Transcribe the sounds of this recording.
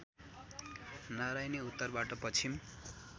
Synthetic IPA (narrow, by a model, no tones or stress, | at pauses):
naɾajneut̪ːʌrbaʈʌpʌt͡sʰim